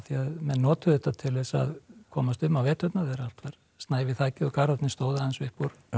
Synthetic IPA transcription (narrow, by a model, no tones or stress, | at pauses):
θiaðmɛnnɔːt̪ʏðɛht̪ːat̪ʰɪlvɪsa̰ðkʰɔːmast̪ʏmːavɛːt̪œt̪naðɛɾal̥t̪vaɾ̥ | st̪naːjvɪθaːjcɪðɔkaɾɔt̪nɪst̪oːwðɪaðɪnsvɪhpuɾ